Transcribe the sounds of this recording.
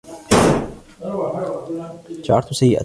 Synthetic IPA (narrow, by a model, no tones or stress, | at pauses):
d͡ʒaʕɑɾˤt̪ʊsajːɪʔa̰